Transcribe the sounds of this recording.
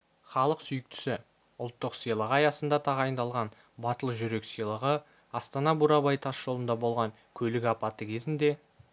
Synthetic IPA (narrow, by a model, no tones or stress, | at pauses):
χɑlˠəqsʏjɪk̚t̪ʰʏ̥sɪ | ʊlˠt̪ːəqsijlˠəʁɑjɑsənd̪ɑt̪ʰɑʁɑjənd̪ɑlˠʁɑn | bɑt̪əlˠʒʏɾe̞ksijlˠəʁə | ɑst̪ɑnɑbuɾɑbɑjt̪ʰɑsʒ̥o̞lˠənd̪ɑbo̞lˠʁɑŋ | kʲʰɵlɪɡʲɑpɑt̪əkʲʰe̞zɪnd̪e̞